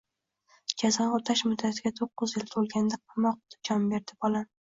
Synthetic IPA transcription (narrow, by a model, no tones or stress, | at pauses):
d͡ʒʲʰazɒnot̪ʰaʃmʊd̪ːat̪ʰɪɡʲat̪ʰoqːɨzjɪlt̪ʰolˠɡʲand̪aqʰɑmɒq̚t̪ɪ̥d͡ʒɒmbe̞ɾd̪ɪbɒlˠa